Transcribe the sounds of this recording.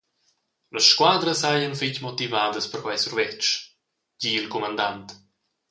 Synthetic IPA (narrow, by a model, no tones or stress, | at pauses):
ləsʃkwaːd̪ɾəsajənficmot̪ivaːd̪əspəɾkwajsuɾvɛt͡ʃ | ɟiːilkɔmand̪ant̪